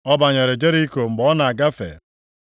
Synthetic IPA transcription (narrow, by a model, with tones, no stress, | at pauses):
ɔ˦ba˨ɲe˨ɾe˨d͡ʒe˦ɾi˦ko˨ŋ͡m̩˨ɡ͡bɔ˦ɔ˦na˨a˨ɡa˦fḛ˨